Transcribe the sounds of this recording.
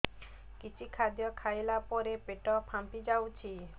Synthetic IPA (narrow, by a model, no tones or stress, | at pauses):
kit͡ʃʰikʰad̪jɔkʰajlapɔɾepeʈɔpʰampid͡ʒawt͡ʃʰi